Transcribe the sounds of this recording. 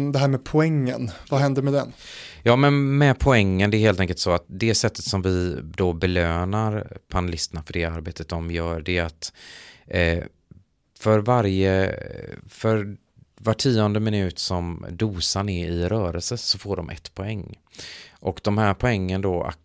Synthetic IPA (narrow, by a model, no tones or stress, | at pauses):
d̪ɛɦæːɾmɛpʰʊɛŋːə̰nvahɛnd̪əɾmɛd̪ɛnjɑːmɛnmɛpʰɔɛŋːənd̪ɛɾheːlt̪ɛŋkəlt̪sɔat̪̚d̪ɛsɛt̪ːə̥t̪sɔmvɪd̪oːbɛløːnaɾpʰanɛlɪst̪əɳafœɖɛaɾbeːt̪ət̪̚d̪ɔmjœːɖɛat̪ | fœɾvaɾjə | fœɾ | vaʈʰːiːɔnd̪əmɪnʉ̟ːt̪sɔmd̪uːsanɛɪɾœːɾəlsəsɔfoːɖɔmʔɛ̰t̪ːpʰɔɛŋː | ʔɔkd̪ɔmhæːɾpʰɔɛŋːənd̪oa̰